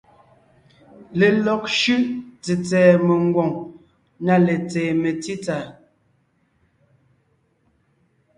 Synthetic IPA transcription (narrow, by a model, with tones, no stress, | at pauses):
le˨lɔ˨k̚ʃʉ˦ʔt͡se˨t͡sɛː˨me˨ŋ˦ɡwɔ˨ŋ | na˨le˨t͡sɛː˨me˨ti˦ta˨